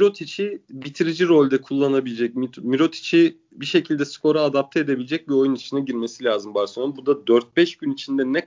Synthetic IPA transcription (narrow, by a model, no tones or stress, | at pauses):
miɾo̞t̪ʰit͡ʃʰibit̪ʰiɾid͡ʒiɾo̞lʲd̪ɛkʰulˠːanabilʲed͡ʒɛc̚mit̪miɾo̞t̪ʰi̥t͡ʃʰi | biʃe̞cʰilʲd̪ɛskʰo̞ɾaːd̪ap̚t̪ʰed̪e̞bilʲed͡ʒɛc̚bio̞junit͡ʃʰinaɟiɾme̞silʲaːzɯmbaɾsobud̪ad̪øɾt̪̚bɛʃɟynit͡ʃʰind̪ɛnɛ